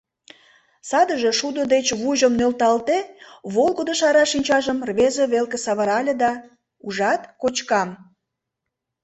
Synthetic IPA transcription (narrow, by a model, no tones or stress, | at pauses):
sɑd̪əʒe̽ʃud̪od̪et͡ɕβuʒəmnølt̪ɑlt̪eβolɣod̪oʃɑɾɑʃinʲt͡ɕɑʒəmrβezeβelkesɑβəɾɑlʲed̪ɑ | uʒɑt̪kot͡ɕkɑm